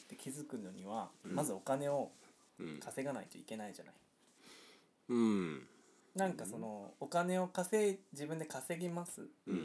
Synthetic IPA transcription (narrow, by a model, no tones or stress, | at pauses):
t̪ːe̞kʲizɨkɯ̟no̞ɲ̟iβ̞amazɨo̞kane̞o̞ | kʰase̞ɡanait̪o̞̰ike̞naiʑa̰na̰i | nãŋkaso̞no̞ːkane̞o̞kase̞d͡ʑibɯ̟̃nd̪e̞kase̞ɡʲimasɨ̰